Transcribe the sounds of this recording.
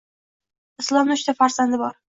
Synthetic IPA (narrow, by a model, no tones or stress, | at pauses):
ɪslˠɒmnɪʊʃt̪afaɾz̥and̪ɪbɒɾ